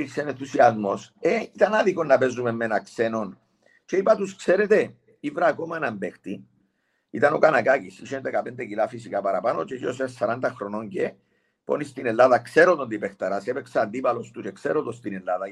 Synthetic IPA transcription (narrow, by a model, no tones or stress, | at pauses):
iksenenθusiɐzmo̞seit̪ɐnaðiko̞nːɐpe̞zume̞mːenɐkse̞no̞n | t͡ʃeipɐt̪uskse̞ɾet̪e̞ | ivɾɐːko̞manɐmbe̞xt̪i | ḭt̪ɐno̞kanakacisiʃenðekɐpend̪ecilafisikapɐɾɐpano̞t͡ʃeʝosessɐɾand̪ɐxɾo̞no̞ɲɟe̞ | po̞̰nist̪ine̞lːaðɐkse̞ɾot̪od̪ipext̪ɐɾasepeksɐːnd̪ipɐlo̞st̪ut͡ʃekseɾot̪ost̪ine̞lːaðɐ